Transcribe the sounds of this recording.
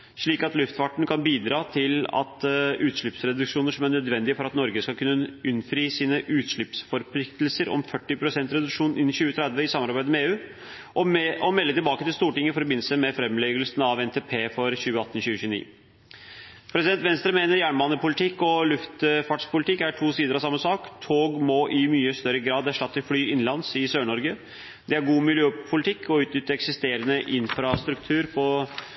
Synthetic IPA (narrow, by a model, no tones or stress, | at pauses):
ʂɭiːkɑt̪lʉft̪fɑʈɳ̩kʰɑnbiːd̪ɾɑːt̪ʰɪlɑ̰t̪ʉːt̪ʂɭʏpsɾɛd̪ʉkʂuːnəʂɔmæɳœd̪ʋɛnd̪ɪfɔɾɑt̪nɔɾɡəskɑkʰʉnːəʉnfɾiːsiːnəʔʉːt̪ʂɭʏpsfɔɾpʰlɪkt̪lsəɾɔ̰mfœʈːɪpʰɾʊsɛnt̪ɾɛd̪ʉkʂuːnn̩ɪnːɪɕʉːət̪ʰɾɛd̪ʋəɪsɑmːɑɾbæɪd̪əmɛeːʉː | ʔɔmɛlːət̪ɪlbɑːkət̪ɪlst̪uːʈɪŋːəɪfɔɾbɪnl̩səmɛfɾɛmlɛɡəlsnɑʋɛnt̪ʰeːpʰeːfɔɾɕʉːəɑt̪ːn̩ɕʉːəɕʉːnḭː | pʰɾɛsɪd̪ɛnt̪ʋɛnst̪ɾəmeːnəɾjæːɳmɑnːəpʊlɪt̪ʰɪkːɔlʉft̪fɑʈʂpʰʊlɪt̪ʰɪkːæʈʰuːsiːd̪əɾɑsɑmːəsɑːkt̪ʰoːɡmɔʔɪmyːəst̪œɾəɡɾɑːd̪æʂʈɑt̪ːɪlflyːɪnlɑnsɪsøːɳɔɾɡə | d̪ɛæɾɡuːmɪljøːpʰʊlɪt̪ʰɪkʰːɔʉːt̪nʏt̪ːəɾɛksɪst̪eːɾənəʔɪnfɾɑst̪ɾʉkt̪ʰʉːɾpʰɔ